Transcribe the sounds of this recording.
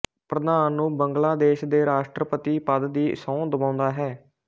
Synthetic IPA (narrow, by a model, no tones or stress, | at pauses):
pɾəd̪aːnːũːbəŋɡlaːd̪eːʃd̪eːɾaːʃʈɾəpət̪iːpəd̪d̪iːsɔ̃ːd̪əbãːnd̪aːɦɛː